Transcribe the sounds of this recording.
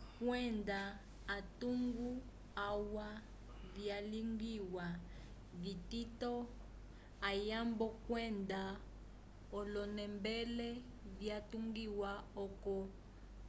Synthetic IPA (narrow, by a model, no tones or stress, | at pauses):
kwɛndaː | tuŋɡu | awa | vjaliŋɡiwa | vititɔ | ajambɔkwɛnda | ɔlɔnɛmbɛlɛ | vjatuŋɡiwaɔkɔ